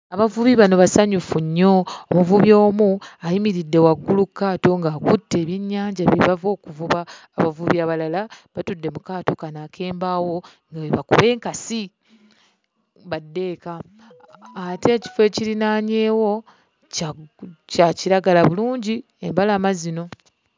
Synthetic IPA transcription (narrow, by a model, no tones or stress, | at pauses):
aβavuβiβano̞βasaɲufuɲːo̞omuvuβjo̞ːmuajimiɾidːe̞waɡːulukːaːto̞ŋɡaːkutːe̞ːβjiɲːaːɲɟaβiβavo̞ːkuvuβaː | βavuβjaːβalalaβatudːe̞mukaːto̞kanakʰe̞ːmbawo̞ | ŋɡaweβakṵβe̞ːŋkasi | βadːe̞ːka | ate̞ːci̥fwe̞ːciɾinaːɲeːwo̞ | caciɾaɡalaβuluːɲɟi | embalaːmazino̞